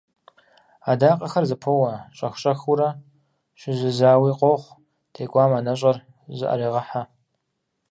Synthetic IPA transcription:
adaːqʼɐxɐrzɨpʰowɐɕʼɐxʷɕʼɐxuɾɐ | ʃɪzɨzaːwiːqʼoχʷ | tʰeːkʷʼaːmaːnɐɕ̬ʼɐr | ʑɨ̰ʔɐ̰ɾiːʁɐħa

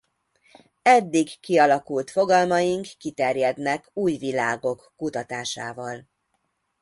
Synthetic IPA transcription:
ɛd̪ːiɡkiɒlɒkult̪fo̞ɡɒlmɒjiŋkːit̪ɛrjɛd̪nɛkuːjvilaːɡo̞kːut̪ɒt̪aːʃa̰ːvɒl

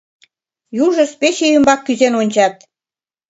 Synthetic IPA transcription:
juʒə̆spet͡ɕejə̆mbɑkːyzenonʲt͡ɕɑt̪̚

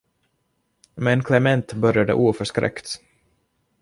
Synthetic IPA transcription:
mɛnkʰlɛmɛnt̪bœɾjad̪ə̰ʔuːfœʂkɾɛ̰kt̪

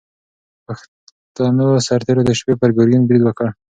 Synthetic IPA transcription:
pax | t̪ɑnəsaɾt̪eɾod̪əʃpepəɾɡoɾjunbɾid̪wəkəɽ

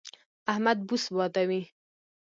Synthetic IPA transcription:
ahmad̪̚busbɑt̪awi

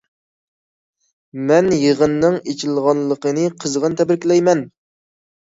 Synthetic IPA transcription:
mɛnjəʁənːɨŋet͡ʃʰilˠʁɑnlˠəqənɨqʰəzʁənt̪ʰɛbɪɾkʲlɛjmɛn

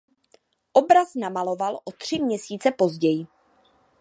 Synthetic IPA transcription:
ʔobɾaznamalo̞valʔot̪r̝̥ɪmɲɛsiːt͡sɛpo̞zɟɛjɪ

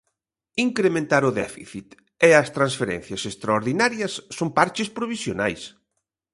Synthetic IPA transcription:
iŋkɾemẽnt̪aɾʊðɛ̰fiθit̪ | eɐst̪ɾansfeɾɛ̰̃n̟θjɐsest̪ɾaoɾðinaɾjɐsːompaɾt͡ʃɪspɾoβisjona̰js

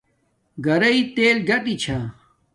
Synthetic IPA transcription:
ɡɐɾɐit̪eːlɡɐtit͡ɕʰa

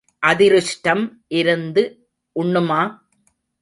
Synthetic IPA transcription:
ʔɐðɪɾɯʂʈɐmʔɪɾɯnd̪ɯ | ʔʊɳːɯmaː

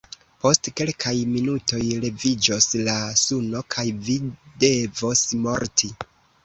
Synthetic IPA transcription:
po̞stke̞lkʰajminuto̞jle̞vid͡ʒo̞slasuno̞kʰajvide̞vo̞smo̞ɾtʰi

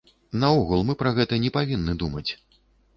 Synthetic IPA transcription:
nɐɔɣulˠmɨpɾɐɣɛt̪ɐnʲɛpavʲinːɨd̪umɐt͡sʲ

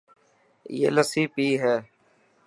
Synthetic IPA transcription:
jḛːləsiːpiːɦɛː

